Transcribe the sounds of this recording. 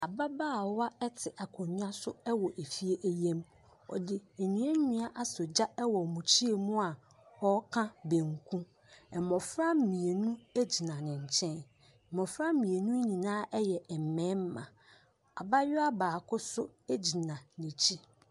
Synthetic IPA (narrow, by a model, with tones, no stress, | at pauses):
a˨ba˦baː˦˨wa˦ɛ˦tʰɪ˨ʔa˨kʰɔ̃˨ɲ̃˦a˦sʊ˦ɛ˦wɔ˨ʔe˨fi˦e˦ʔæ˦jɛ̃˦m | ɔ̰˨dɪ˨e˨ɲnĩ˨˦ɛ˦ɲũ˦a˦ʔa˦sʊ˨d͡ʑa˦ɛ˦wɔ˨mũ˨t͡ɕʰi˦e˨mũ˦a˨ | hɔ˦kʰã˦bẽ˨ŋkʰũ˦ | ɛ˨mɔ̃˨fɾa˦mĩ˨e˨nũ˦æ˦d͡ʑi˨nã˨nɪ̃˨ɲ̩˨t͡ɕʰɛ̃˦n˨ | mɔ˨fɾa˦mĩ˨e˨nũ˦ɲĩ˨nãː˦ʔɛ˦jɛ˨ɛ˨m̩˨mɛ̃˨˦m˦mã̰˨ | a˨ba˦jɪ˦a˦baː˨kʰʊ˦sʊ˦æ˦d͡ʑi˨nã˨nĩ˨t͡ɕʰi˦